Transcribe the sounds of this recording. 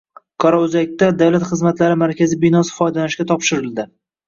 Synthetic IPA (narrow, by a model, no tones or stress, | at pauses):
kʰɒɾɒʊzak̚ʲt̪ːad̪awlat̪χɨzmat̪laɾɪmaɾkʲʰazɪbɪnɒsɪ̥fɒjd̪alanɪʃkʲat̪ʰɒpʃɪɾɪld̪ɪ